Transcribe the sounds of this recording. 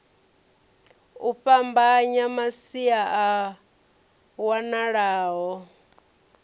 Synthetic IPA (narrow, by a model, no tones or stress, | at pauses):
uɸambaɲamasiaʔa | wanaɺaːɦɔ